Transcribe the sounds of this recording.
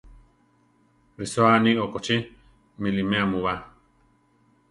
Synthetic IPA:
ɾisoaniokot͡ʃi | milimẽamuβa

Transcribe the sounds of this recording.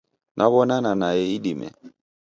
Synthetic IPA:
nʔaβɔnananajeidimɛ̰

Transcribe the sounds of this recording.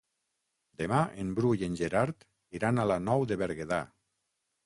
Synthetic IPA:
d̪emaʔembɾujenʲʒeɾaɾt̪ | iɾanalanɔwðeβeɾɣeða

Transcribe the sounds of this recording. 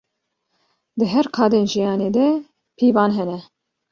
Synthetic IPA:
d̪ɨɦɛɾkʰɑːd̪eːnʒijɑːneːd̪ɛ | pʰiːvɑːnɦɛnɛ

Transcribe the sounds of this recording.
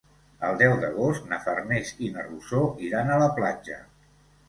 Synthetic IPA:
əlˠd̪ɛwd̪əɣ̞ost̪nəfərnezinərβusoiɾanələplad͡ʒə̰

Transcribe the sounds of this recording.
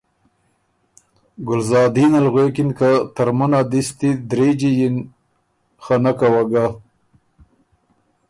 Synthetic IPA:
ɡʊlzɑːd̪inalɣwekinkat̪aɾmunad̪ist̪id̪ɾed͡ʒijin | xanakawaɡa

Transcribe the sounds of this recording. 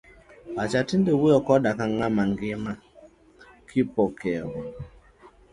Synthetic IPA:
bat͡ʃatindewuɾɔkɔdakaŋamaŋɡima | kʰipɔkɛwɔ

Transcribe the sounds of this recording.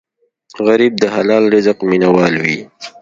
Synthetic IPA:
ɣaɾiːb̚d̪əɦalɑːlɾɪzəqminawɑːlwi

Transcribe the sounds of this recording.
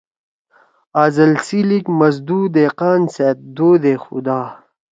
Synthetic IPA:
aːzɐlsilikmɐz̬d̪uːd̪eːqaːnset̪̚d̪oːd̪exṵd̪aː

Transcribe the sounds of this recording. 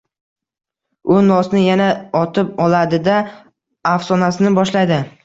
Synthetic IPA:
ʊnɒsnɪjanaɒt̪ʰɪp̚ɒlad̪ɪd̪a | afsɒnasɪnɪbɒʃlajd̪ɪ

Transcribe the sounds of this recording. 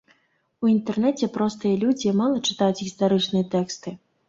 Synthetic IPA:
uint̪ɛrnɛt͡sʲɛpɾɔst̪ɨjɐlʲud͡zʲimalˠɐt͡ʂɨ̥t̪ajut͡sʲɣʲist̪aɾɨt͡ʂnɨjɛt̪ɛkst̪ɨ

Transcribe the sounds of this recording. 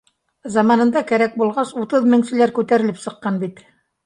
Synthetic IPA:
zɑmɑnɤ̆nd̪ɑkæɾæk̚bulˠʁɑsut̪ɤðmɘ̆ŋsɘ̆læɾkʉt̪æɾɘ̆lɘpsɤ̆qːɑnbit̪

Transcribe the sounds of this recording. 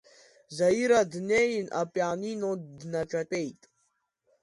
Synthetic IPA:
zajiɾadnejnʔapʼaninodnaʈ͡ʂʼatʼejtʼ

